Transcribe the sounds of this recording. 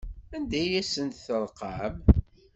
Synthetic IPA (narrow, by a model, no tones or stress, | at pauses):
ænd̪æjæsənt̪θəlˤqɑm